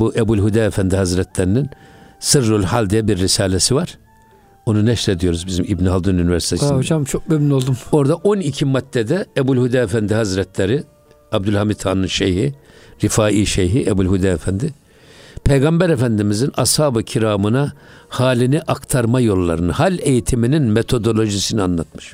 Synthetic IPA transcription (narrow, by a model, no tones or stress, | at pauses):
buʔɛbulʲɦud̪aːɛfænd̪ihazɾɛt̪ʰlɛɾininsɯɾːulʲhalʲd̪ijɛbiɾːisaːlʲɛsivaɾ̥ | o̞nunɛʃɾed̪ijo̞ɾuzbizimibniɦalˠd̪ununivʲɛɾsit̪ʰeod͡ʒamt͡ʃʰok̚bøbnolˠd̪umo̞ɾd̪aʔo̞nicʰimat̪ːɛd̪ɛɛbulʲhud̪aːɛfænd̪ihazɾɛt̪ʰlʲɛɾi | ab̚d̪ulʲhamit̪ʰaːnɯnʃejhiɾifaːʔiːʃejɦiʔɛbulʲhud̪aːefænd̪ɪ | pʰejɡambæɾefænd̪imizinashaːbɯcʰiɾaːmɯnahaːlʲiniʔakt̪ʰaɾmajo̞lˠːa̰ɾɯnɯhalʲejit̪ʰimininmet̪ʰo̞d̪o̞lʲˠo̞ʒisinianlˠat̪̚mɯ̥ʃ